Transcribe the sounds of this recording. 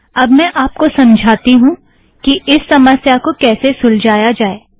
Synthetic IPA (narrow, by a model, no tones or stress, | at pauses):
ɐbmɛ̃ʔaːp̚kosɐ̃md͡ʒʱaːt̪iɦũ | kiʔɪsːɐməsjakokɛːsesʊld͡ʒaːjad͡ʒaːeː